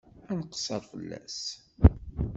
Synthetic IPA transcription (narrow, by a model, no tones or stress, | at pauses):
ænqə̥sɑɾˤfəlːæ̰s